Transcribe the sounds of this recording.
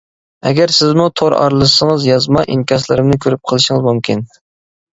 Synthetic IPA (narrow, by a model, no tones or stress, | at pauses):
ɛɡʲæɾsɪzmut̪ʰoɾɑ̰ɾlˠɨʃsəŋəzjɑzmɑʔiŋkʲɑslˠɨɾɨmnɨkʲʰøɾyp̚qʰəlˠɨʃɪŋɨzmumkʲʰin